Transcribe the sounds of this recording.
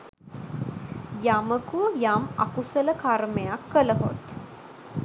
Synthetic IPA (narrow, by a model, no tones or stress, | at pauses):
jaməkuəjamakusələkarmejakːələɦo̰t̪